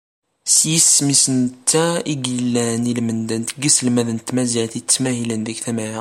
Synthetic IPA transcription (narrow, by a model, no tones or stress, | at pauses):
sjəsmisənt̪ːæiɡilːænilmənd̪ænt̪əɡisəlmæðənt̪mæzilt̪it͡sːmæhilənðækθæmæj